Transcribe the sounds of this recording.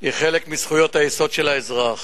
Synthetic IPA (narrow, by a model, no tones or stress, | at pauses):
iχelekmisχujo̞t̪hajeso̞d̪ʃelaezʁaχ